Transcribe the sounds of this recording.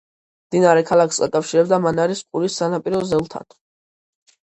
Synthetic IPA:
md̪inaɾɛkʰalˠakʰsɡa̰kʼafʃiɾɛbd̪amanaɾisqʼuɾisːanapʼiɾɔzɛlˠt̪ʰa̰n

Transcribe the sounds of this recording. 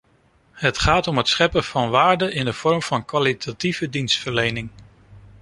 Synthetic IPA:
ɦətχaːtɔmɦətsχɛpəv̥ɑnʋaːɹdəɪndəv̥ɔɹmv̥ɑnkʋalitʰativədinstfəɹlejnɪŋ

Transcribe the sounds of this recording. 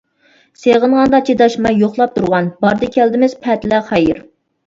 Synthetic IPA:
seʁənʁɑnd̪ɑt͡ʃʰed̪ɑʃmɑjoχlˠɑp̚t̪ʰuɾʁɑnbɑɾd̪ɨkʲʰæld̪ɪmɪz̥pʰɛt̪læχɛjɪɾ

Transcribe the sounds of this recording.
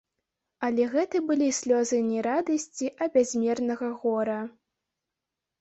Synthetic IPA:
ɐlʲɛɣɛt̪ɨbɨlʲisʲlʲɔzɨnʲɛɾad̪ɐsʲt͡sʲiʔɐbʲazʲmʲɛrnɐɣɐɣɔɾɐ

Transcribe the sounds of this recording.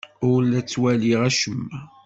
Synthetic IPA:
ʊɾlæt͡sːwæliʁæʃəmː

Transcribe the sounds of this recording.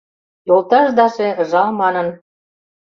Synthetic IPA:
jolˠt̪ɑʒd̪ɑʒeə̆ʒɑlmɑnən

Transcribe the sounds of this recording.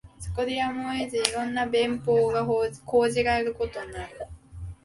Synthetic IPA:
so̥ko̞d̪eamoezɨiɾõ̞nːabẽ̞mpo̞ːɡako̞ːʑiɡaeɾɯ̟ko̞t̪o̞ɲaɾɯ̟

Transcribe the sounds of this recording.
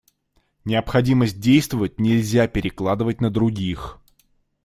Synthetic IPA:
nʲɪəpxɐdʲiməsʲt̚ʲdʲejst̪vəvət̚ʲnʲɪlʲzʲapʲɪɾʲɪklˠad̪ɨvət̚ʲnəd̪ɾʊɡʲix

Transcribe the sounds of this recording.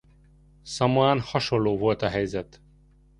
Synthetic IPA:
sɒmoaːnhɒʃo̞lːoːvo̞lt̪ɒɦɛjzɛt̪

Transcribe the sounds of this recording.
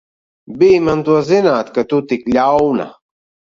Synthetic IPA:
biːmɐnt̪uɐzinaːt̪̚kɐt̪ut̪iklaːona̰

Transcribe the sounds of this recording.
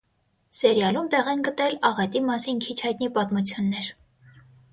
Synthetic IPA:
sɛɾjɑlumt̪ɛʁɛnɡət̪ɛlɑʁɛt̪imɑsinkʰit͡ʃʰhɑjt̪nipɑt̪mut͡sʰjunːɛɾ

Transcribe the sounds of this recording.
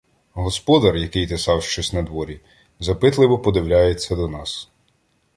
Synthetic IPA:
ɦɔspɔd̪ɐrjɐkɪjt̪esɑwʃt͡ʃɔsʲnɐd̪ʋɔɾʲi | zɐpɪt̪lˠɪʋɔpɔd̪ɪwlʲajet͡sʲːɐd̪ɔnɑs

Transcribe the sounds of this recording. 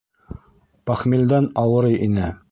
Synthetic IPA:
pæχmild̪ænɑwɤ̆ɾɤjʔinɘ

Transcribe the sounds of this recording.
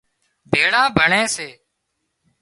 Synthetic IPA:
bʱeːɽãːbʱəɳẽːseː

